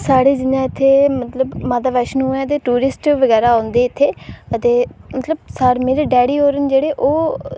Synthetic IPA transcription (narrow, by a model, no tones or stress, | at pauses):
saːɽeːd͡ʒɪnjãːɪt̪ʰːeːmət̪ləbmãːd̪aːʋəːʃnũːɛːt̪̬eːʈuːɾɪsʈʋəɡɛːɾaːõːnd̪eːɪt̪ʰːeːət̪eːmət̪ləb̚saːɽmeːɾeːɖɛːɽiːɦoːɾənd͡ʒeːɽeːʔoː